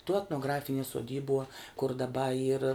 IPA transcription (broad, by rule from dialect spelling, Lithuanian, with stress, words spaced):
tuɔ ɛtnoːˈɡrɑːfʲɪnʲiɛ suɔˈdʲiːbuɔ kʊr dɐˈbɐ iːr